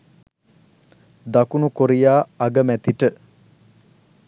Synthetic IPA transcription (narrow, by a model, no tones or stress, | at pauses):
d̪akunukoɾijaːɡəmæt̪iʈə